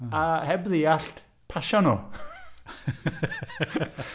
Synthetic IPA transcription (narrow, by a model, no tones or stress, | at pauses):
ahɛbðijaɬt | pʰaʃɔno